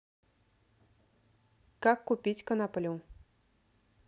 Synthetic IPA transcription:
kakːupʲit͡sʲkɐnapɐlʲuw

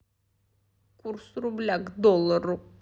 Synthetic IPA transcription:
kʰuɾsɾublʲaɡd̪olˠːaɾu

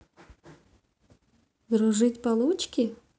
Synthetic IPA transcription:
d̪ɾuʐɨtʲpalˠut͡ɕkʲi

